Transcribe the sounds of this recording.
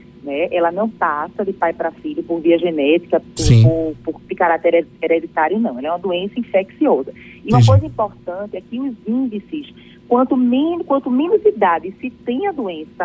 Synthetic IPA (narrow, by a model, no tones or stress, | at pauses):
nɛɛlɐnɐ̃w̃pasɐd̪ɪpajpɾɐfiʎʊpoɾviɐʒenɛt̪i̥kɐppopoɾd̪ikaɾat̪eɾeeɾed̪it̪aɾjʊnɐ̃w̃ɛlɐɛũmɐd̪uẽsɐĩfeksiɔzɐ | iũmɐkojzɐĩpoɾt̪ɐ̃nt̪ɪɛkɪʊzĩd̪isɪs | kwɐ̃nt̪ʊmẽnkwɐ̃nt̪ʊmẽnʊzid̪ad̪ɪsɪt̪ẽj̃ɐd̪uẽsɐ